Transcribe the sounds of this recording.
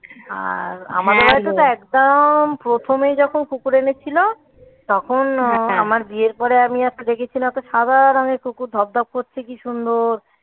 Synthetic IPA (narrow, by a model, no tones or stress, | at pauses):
a̰ɾa̰mad̪eɾbʱajt̪ot̪oɛkd̪ampɾot̪ʰomejd͡ʑɔkʰonkukuɾenet͡ɕʰilo | t̪ɔkʰonamaɾd̪ieɾpɔɾeamiat͡ɕked̪ekʰet͡ɕʰilamɛt̪oʃad̪aɾɔŋekukuɾd̪ʱɔb̚d̪ʱɔb̚koɾt͡ɕʰekiʃund̪oɾ